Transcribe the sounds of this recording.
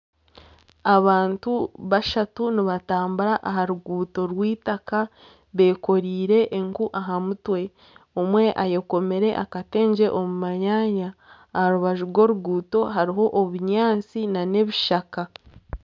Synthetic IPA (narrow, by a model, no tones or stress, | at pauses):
aβaːntuβaʃatuniβataːmbuɾaʔaɦaɾuɡuːto̞ɾwiːtaka | βe̞ːko̞ɾiːɾe̞ʔːŋkuʔaɦamutwe̞ | omwe̞ʔajeko̞me̞ɾe̞ʔakate̞ːɲd͡ʒe̞ʔo̞mumaɲaːɲaː | haɾuβaʒuɾɡo̞ɾuɡuːto̞ɦaɾiɦo̞ʔːβuɲaːnt͡sinane̞βiʃaka